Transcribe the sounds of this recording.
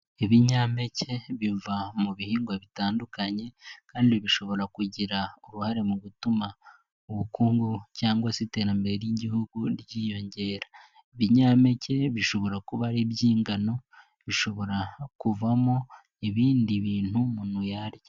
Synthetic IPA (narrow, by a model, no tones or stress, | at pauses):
eβiɲaːme̞ce̞βivamuβihiːŋɡwaβitaːndukaɲe̞kaːndiβiʃo̞βo̞ɾakuɟiɾaoɾuhaɾemuɡutuma | uβukuːŋɡucaːŋɡwasite̞ːɾambe̞ɾeɾjiɟihuɡuɾɟiːjo̞ɲɟe̞ːɾḁ | βiɲaːme̞ce̞βiʃo̞βo̞ɾakuβaɾebɟiːŋɡano̞ | βiʃo̞βo̞ɾakuvamo | eβiːndiβiːn̥humunujaɾje